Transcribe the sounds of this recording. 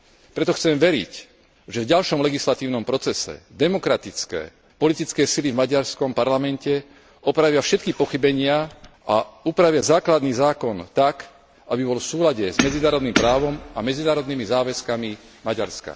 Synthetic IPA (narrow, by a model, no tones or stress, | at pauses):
pɾɛt̪ɔxt͡sɛmʋɛɾḭc | ʒɛvɟalʃɔmlɛɡislat̪iːʊnɔmpɾɔt͡sɛsɛ̰d̪ɛmɔkɾat̪it͡skɛ̰ː | pɔlit̪it͡skɛːsilivmaɟaɾskɔmpaɾlamɛncɛ | ɔpɾaʋɪafʃɛt̪kipɔxibɛɲɪa | aupɾaʋɪazaːklad̪niːzaːkɔnt̪ak | ʔabibɔlfsuːlaɟɛzmɛd͡zinaːɾɔd̪nimpɾaːʋɔmamɛd͡zinaːɾɔd̪nimizaːʋɛskami | maɟaɾska̰